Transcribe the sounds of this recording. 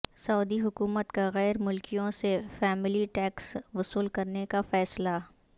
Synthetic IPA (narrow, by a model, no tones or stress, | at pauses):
sɔːd̪iɦʊkuːmət̪kaɣɛːɾmʊlkijõsefɛːmɪliʈɛːksʋʊsuːlkɐɾnekafɛːsla